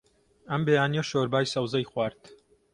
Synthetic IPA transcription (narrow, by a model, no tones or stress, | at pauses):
ɐmbeːjaːnijoʃoːɾbaːjsɐwzɐjxwaːɾt̪